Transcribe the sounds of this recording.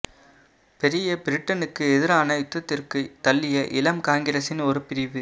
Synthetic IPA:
pɛɾɪjɐpɪɾɪʈːɐnɯkːɯɛðɪɾaːnɐɪt̪ːɐt̪ːɪrkɯt̪ːɐlːɪjɐʔɪlɐmkaːŋɡɪɾɐsɪnɔɾɯpɪɾɪʋɯ

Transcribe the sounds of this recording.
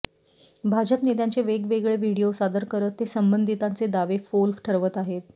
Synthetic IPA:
bʱad͡ʑəpnet̪̬jant͡seʋeɡʋeɡɭeʋiɽijosad̪əɾkəɾət̪ːesəmbənd̪ʱit̪ant͡sed̪aʋefolʈʰəɾʋət̪aɦet̪̚

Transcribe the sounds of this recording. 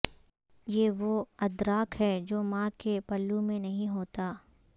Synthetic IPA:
jeːʋoɐd̪ɾaːkɦɛd͡ʒoːmãːkepɐlːumẽnɐɦĩɦoːt̪aː

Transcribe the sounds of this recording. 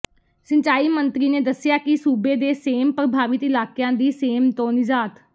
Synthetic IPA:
səɲt͡ʃaːiːmənt̪ɾiːneːd̪əsɪjaːkɪsuːbeːd̪eːseːmpɾəbʱaːʋɪt̪ɪlaːkjãːd̪iːseːmt̪õːnɪzaːt̪

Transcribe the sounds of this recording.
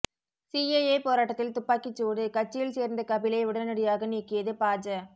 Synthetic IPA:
sieepoːɾaːʈːɐt̪ːɪlt̪ʊpːaːkɪt͡ʃːuːɽɯkɐt͡ʃːɪjɪlseːɾnd̪ɐkɐbɪlɐɪʊɽɐnɯɽɪjaːɣɐniːkːɪjɐðɯpaːd͡ʒɐ

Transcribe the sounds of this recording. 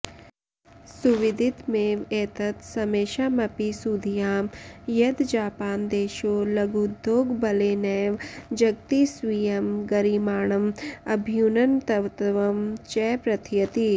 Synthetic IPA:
suʋɪd̪ʱɪt̪meːʋeːt̪ɐt̪sɐmeːʃaːmɐpisuːd̪ʱijaːmjɐd̪d͡ʒaːpaːnd̪eːʃoːlɐɡud̪ʱːoːɡbɐleːnɛʋd͡ʒɐɡ̚t̪isʋijɐmɡɐɾiːmaːɳɐmɐbʱjunɐnt̪ɐʋt̪ʋɐmt͡ʃɛːpɾɐt̪ʰjɐt̪i

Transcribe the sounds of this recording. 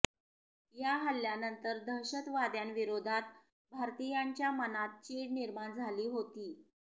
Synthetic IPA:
jaɦəljanənt̪əɾd̪əɾɕət̪ʋad̪janʋiɾod̪ʱat̪̚ | bʱaɾt̪ijaɲt͡ɕjamənat̪̚t͡ɕiniɾmaɳd͡zʱaliːɦot̪iː

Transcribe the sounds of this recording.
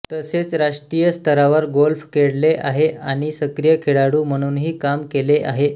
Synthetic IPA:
t̪əset͡sɾaʂʈɾijəst̪ʰəɾaʋəɾɡolfkeɽleʔaɦeaɽ̃isəkɾijəkʰeɽaɽuːm̤əɽ̃uːnɦiːkamkeleʔaɦe

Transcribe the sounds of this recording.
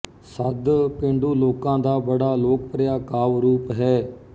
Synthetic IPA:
səd̪pẽːɳɖuːloːkãːd̪aːbəɽaːloːk̚pɾɪjaːkaːʋɾuːpɦɛː

